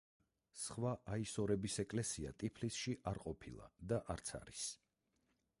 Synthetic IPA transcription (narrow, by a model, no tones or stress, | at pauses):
sχwaʔaisɔɾɛbisɛkʼlɛsia̰t̪ʼipʰlisʃiʔaɾqʼɔpʰilˠa̰d̪aʔaɾt̪sʰa̰ɾis